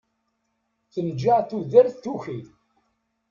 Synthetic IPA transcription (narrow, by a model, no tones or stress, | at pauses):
θənd͡ʒːaʁθuðəɾθθuçi